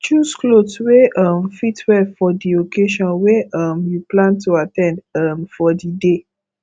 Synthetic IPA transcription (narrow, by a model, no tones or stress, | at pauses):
t͡ʃusklotweamfitwɛfɔdiokeʃɔ̃nweamjuplãntuatɛ̃ndamfɔdide